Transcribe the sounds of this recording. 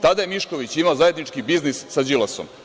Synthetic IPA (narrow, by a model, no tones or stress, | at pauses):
t̪ad̪aje̞miʃko̞ʋit͡ɕimaozaje̞d̪nit͡ʃkibiznisːad͡ʒilˠaso̰m